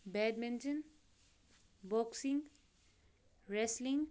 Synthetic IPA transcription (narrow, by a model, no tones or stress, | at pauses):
bɛɖ̚mẽnt͡ʃən | bɔksĩŋ | ɾɛslĩŋ